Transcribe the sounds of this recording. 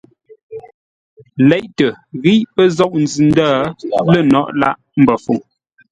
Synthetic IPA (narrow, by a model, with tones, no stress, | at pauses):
lɛ˨˦ʔtə˨ɣi˦ʔpə˦zɔ˦ʔ̚n̩˨zʉ˨n˦daː˦˨lə˦˨nɔ̰˦˨ʔla̰˦ʔ | m̩˦bə˨fu˨ŋ